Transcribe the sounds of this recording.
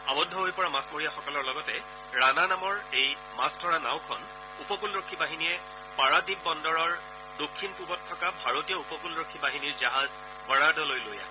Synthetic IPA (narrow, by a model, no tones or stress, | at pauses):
abɔdʱːɔɦojpɔɹamasmoɹijaxɔkɔlɔɹlɔɡɔtɛ | ɹananamɔɹej | mastʰɔɹana̰w̃kʰɔn | upɔkulɹokʰːibaɦinijɛ | paɹadib̚bɔndɔɹɔɹ | dokʰːinpubɔtʰːɔkabʱaɹotijɔupɔkulɹokʰːibaɦiniɹzaɦaz | bɔɹadɔlojloja̰